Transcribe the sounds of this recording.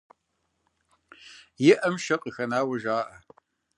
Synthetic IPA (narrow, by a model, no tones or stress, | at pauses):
jɪʔɐmʃɐqʼixɐnaːwɐʒaːʔɐ